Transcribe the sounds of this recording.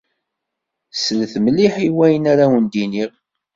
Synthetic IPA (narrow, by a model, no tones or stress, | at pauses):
səlθmliħiwæjənaɾawənd̪iniʁ